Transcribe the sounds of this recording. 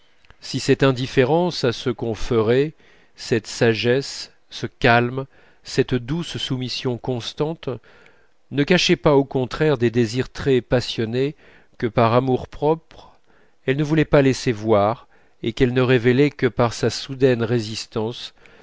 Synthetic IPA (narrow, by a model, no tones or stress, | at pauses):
sisɛt̪ɛ̃d̪ifeʁɑ̃sasəkɔ̃fəʁɛ | sɛt̪saʒɛsː | əkalm | sɛt̪d̪ussumisjɔ̃kɔ̃st̪ɑ̃t̪ | nəkaʃɛpaokɔ̃t̪χɛʁd̪ed̪eziʁt̪χɛpasjɔne | kəpaʁamuʁpχɔpχ | ɛlnəvulɛpalɛsevwaʁ | ekɛlnəʁevelɛkəpaʁsasud̪ɛnʁezist̪ɑ̃s